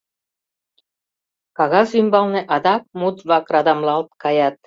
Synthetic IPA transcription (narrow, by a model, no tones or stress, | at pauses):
kɑɣɑsymbɑlneʔɑd̪ɑk̚mut̪βɑkrɑd̪ɑmlɑlt̪kɑjɑt̪̚